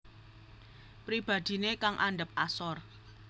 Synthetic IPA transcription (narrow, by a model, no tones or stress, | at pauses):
pɾib̥a̤d̪̥i̤nekaŋʔa̰ɳɖəp̚asɔr